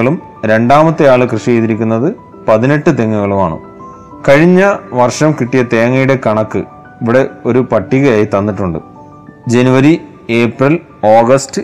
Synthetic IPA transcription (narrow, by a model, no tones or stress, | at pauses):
ɐɭum | ɾe̞ɳɖaːmɐt̪ːejaːɭɨkrɨʂijejt̪iɾikʲːunːɐðɨ | pɐðine̞ʈːɨt̪e̞ŋːuɣɐɭumaːɳṵ | kɐɻiɲːɐʋɐrʂɐmkiʈːijɐt̪e̞ːŋːɐjuɽe̞kɐɳɐkːɨ̰ | iʋiɽe̞o̞ɾupɐʈːiɣɐjaːjit̪ɐnːiʈːuɳɖɨ̰ | d͡ʑe̞nuʋɐɾi | e̞ːprɐl | oːɡɐstɨ